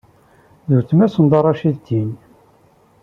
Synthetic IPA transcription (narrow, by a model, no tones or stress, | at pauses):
ðuθmæsənd̪ˤɑɾˤɑʃiðd̪in